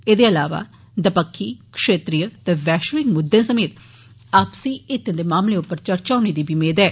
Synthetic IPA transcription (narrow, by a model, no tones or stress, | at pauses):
eːd̪eːəlaːʋa̰ː | d̪əpəkʰːiːkʂeːt̪ɾijət̪ɛːʋɛːʃʋɪkmʊd̪ʱːãːsəmeːt̪ | aːpsĩːɪt̪ːẽd̪eːmaːmleːʊpːəɾt͡ʃəɾt͡ʃaːoneːd̪iːbiːmeːd̪ɛː